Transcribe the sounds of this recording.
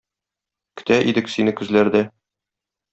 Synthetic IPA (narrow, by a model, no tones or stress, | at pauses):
kɵ̥̆t̪æʔid̪ɘksinɘkɵ̆zlæɾd̪æ